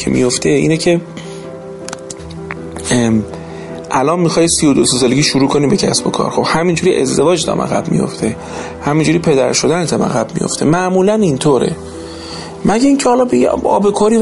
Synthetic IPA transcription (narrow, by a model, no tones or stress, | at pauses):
ḛmḭjo̞ft̪ʰe̞ḭːnecʰe̞ | ʔælɒːnmixɒːjsijod̪oses̬ɒːleɡiːʃuɾuːkʰo̞niːbe̞cʰæ̰sbokʰɒ̰ːɾxob̥hæmind͡ʒuɾiʔḛzd̪e̞vɒːd͡ʒt̪ʰæ̰mʔæ̰ɣæ̰bmḭjo̞̰ft̪ʰe̞ | hæmind͡ʒuːɾiːpʰe̞d̪æɾʃod̪ænet̪ʰæmæ̰ɣæb̥mḭjo̞̰ft̪e̞mæʔmuːlænint̪ʰoːɾʔe̞̰ | mæɟæiːncʰehɒlɒːbḛɒ̰ːbekʰoɾiː